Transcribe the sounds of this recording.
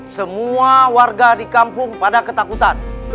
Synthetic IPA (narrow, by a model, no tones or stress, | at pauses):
səmuawarɡadikampʊŋpadakət̪akut̪an